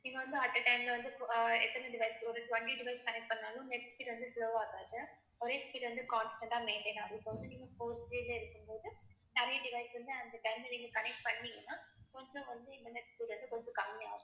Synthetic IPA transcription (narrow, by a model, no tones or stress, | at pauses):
nĩːŋɡɐʋɐnd̪ɯɐʈːɐʈɐɪmlɐʋɐnd̪ɯɛt̪ːɐnɐɐɖɪʋɐɪsɔɾɯʈʋɐɳʈiɖɪʋɐɪskɐnɛk̚ʈ̚pɐɳːaːlũnɛʈsspiːʈʋɐnd̪ɯsloːaːɣaːðɯ | ɔɾeːspiːɖʋɐnd̪ɯkaːnsʈɐ̃ɳʈaːmeːɳʈeːnaːðɯpːɐʋɐnd̪ɯniːŋɡɐpoːɾsɾiːleɪɾɯkːɯmpoːðɯ | nɐɾɐjɐɖɪʋɐɪsʋɐnd̪ɯɐnd̪ɐʈɐɪmlniːŋɡɐkɐnɛk̚ʈ̚pɐɳːɪŋɡɐnːaːkɔɲd͡ʒõʋɐnd̪ɯɪɳʈɐɾnɛʈspiːʈʋɐnd̪ɯkɔɲd͡ʒõkɐmːaːʋʊ̃